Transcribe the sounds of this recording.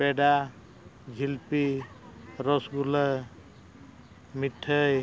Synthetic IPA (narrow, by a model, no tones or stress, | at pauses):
peɖa | ɡʱilpi | ɾɔsɡulə | miʈʰːəj